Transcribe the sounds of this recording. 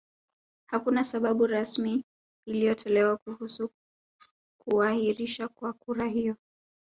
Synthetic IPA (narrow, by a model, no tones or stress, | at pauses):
hakunasaɓaɓuɾasmiː | lijɔtʰɔlɛwakuhusu | kuahiɾiʃakwakuɾahijɔ